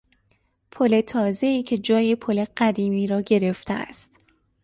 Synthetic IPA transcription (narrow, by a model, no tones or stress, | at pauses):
pʰole̞t̪ʰɒːze̞iːcʰe̞d͡ʒɒːjepʰole̞ɢ̥æd̪iːmiːɾɒːɟe̞ɾe̞ft̪ʰeæ̰st̪